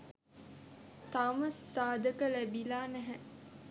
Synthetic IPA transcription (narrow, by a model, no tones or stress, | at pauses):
t̪aməsːaːd̪əkəlæbilaːnæɦæ